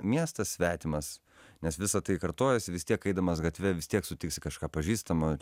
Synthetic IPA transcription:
mʲiɛst̪ɐssʲʋʲæːt̪ʲɪmɐs | nʲɛsʋʲɪsɐt̪ɐɪkɐrt̪oːjɛsʲɪʋʲɪst̪iɛkɐɪd̪ɐmɐsɡɐt̪ʲʋʲɛʋʲɪst̪ʲiɛksʊt̪ʲɪksʲɪkɐʃkɑːpɐʒʲiːst̪ɐmɐ

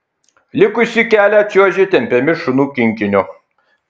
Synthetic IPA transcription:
lʲɪkʊsʲikʲæːlʲæt͡ʃʲuɔʒʲɪt̪ʲɛmʲpʲɛmʲɪʃʊnuːkʲɪŋʲkʲɪnʲʊ

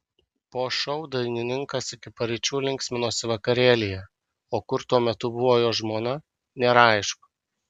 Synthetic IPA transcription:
poːʃɔʊd̪ɐɪnʲɪnʲɪŋkɐsɪkʲɪpɐɾʲɪt͡ʃʲuːlʲɪŋʲkʲsʲmʲɪnoːsʲɪʋɐkɐɾʲeːlʲɪjɛ | oːkʊɾt̪uɔmʲɛt̪ʊbʊʋoːjoːʒmoːnɐ | nʲɛɾɐˑɪʃkʊ̥

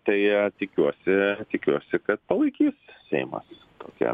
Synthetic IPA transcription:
t̪ɐɪt̪ʲɪkʲuɔsʲɪt̪ʲɪkʲuɔsʲɪkɐt̪pɐlˠɐɪkʲiːssʲɛ̰ɪmɐ̰s | t̪o̰ːkʲɛ̰

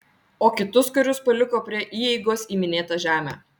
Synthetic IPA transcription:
oːkʲɪt̪ʊskʊɾʲʊspɐlʲɪkoːpʲɾʲiɛʔiːjɛɪɡoːsiːmʲɪnʲeːt̪ɐʒʲæːmʲæ̰

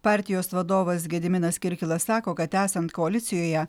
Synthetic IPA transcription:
pɑːˑɾʲt̪ʲɪjoːsʋɐd̪oːʋɐs̬ɡʲɛd̪ʲɪmʲɪnɐskʲɪɾʲkʲɪlˠɐssɑːkoːkɐt̪ːæːsɐnt̪koɐlʲɪt̪ʲɪjoːjɛ

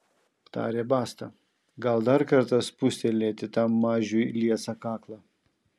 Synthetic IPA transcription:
t̪ɑ̰ːɾʲeːbɑːst̪ɐ | ɡɐlˠd̪ɐɾkɐɾt̪ɐspʊsʲt̪ʲelʲeːt̪ʲɪt̪ɑmɑːʒʲujlʲiɛsɐkɑːklˠɑ

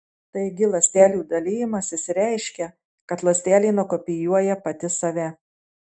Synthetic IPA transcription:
t̪ɐɪɡʲɪlˠɐsʲt̪ʲæːlʲuːd̪ɐlʲɪjɪmɐsʲɪsʲɾʲæˑɪʃʲkʲɛ | kɐt̪lˠɐsʲt̪ʲæːlʲiːnʊkɔpʲɪjuɔjɛpɐt̪ʲɪsɐʋʲɛ

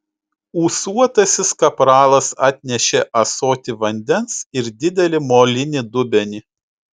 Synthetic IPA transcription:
uːsuɔt̪ɐsʲɪskɐpɾɑːlˠɐsɑːt̪ʲnʲɛʃʲɛʔɐsoːt̪ʲɪʋɐnʲd̪ʲɛnsɪɾd̪ʲɪd̪ʲɛlʲɪmoːlʲɪnʲɪd̪ʊbʲɛnʲɪ

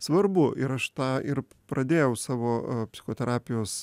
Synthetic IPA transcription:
sʋɐɾbʊʔɪɾɐʃt̪ɑːɪr | pɾɐd̪ʲeːjɛʊsɑːʋoːpʲsʲɪ̥xoːt̪ʲɛɾɑːpʲɪjoːs

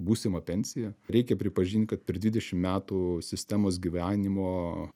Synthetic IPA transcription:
buːsʲɪmɐpʲɛnʲsʲɪjɛɾʲɛɪkʲɛpʲɾʲɪpɐʒʲiːnʲt̪̚ʲkɐt̪̚pʲɛɾd̪ʋʲiːd̪ʲɛʃʲɪmmʲæːt̪usʲɪsʲt̪ʲæːmoːs̬ɡʲiːʋʲæːnʲɪmoː

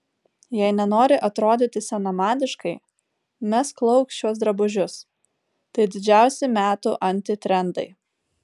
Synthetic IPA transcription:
jɛɪnʲɛnoːɾʲɪʔɐt̪ɾoːd̪ʲɪːt̪ʲɪsʲɛnɐmɑːd̪ʲɪʃkɐɪ | mʲɛsklˠɐʊksʲt͡ʃʲuɔs̬d̪ɾɐbʊʒʲʊs | t̪ɐɪd̪ʲɪd͡ʒʲæˑʊsʲɛmʲæːt̪uʔɐnʲˑt̪ʲɪt̪ʲɾʲɛnd̪ɐ̰ɪ

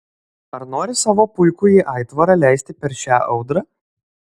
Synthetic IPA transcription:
ɐɾnoːɾʲɪsɑːʋoːpʊɪkʊiːʔɑɪt̪ʋɐɾɑlʲæˑɪsʲt̪ʲɪpʲɛɾʃʲæːʔɒʊd̪ɾɑː

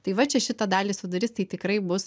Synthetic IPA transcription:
t̪ɐɪʋɐt͡ʃʲɛʃʲɪt̪ɐd̪ɑːlʲiːsʋɐd̪ɐɾʲɪst̪ɐɪt̪ʲɪkɾɐɪbʊs

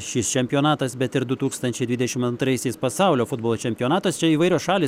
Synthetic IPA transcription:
ʃʲɪst͡ʃʲɛmʲpʲijoːnɑːt̪ɐsbʲɛt̪ɪɾd̪ʊt̪uːkst̪ɐnʲt͡ʃʲɛɪdʲʋʲɪdʲɛʃʲɪmɐnt̪ɾɐɪsʲɛɪspɐsɐʊlʲoːfʊd̪boːlˠoːt͡ʃʲɛmʲpʲɪoːnɑːt̪ɐst͡ʃʲɛiːʋɐɪɾʲoːsʃɑːlʲiː

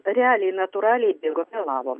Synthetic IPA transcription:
ɾʲɛɑːlʲɛɪnɐt̪ʊɾɑːlʲɛɪbʲɪɡoːmʲɛlˠɑːʋoːm

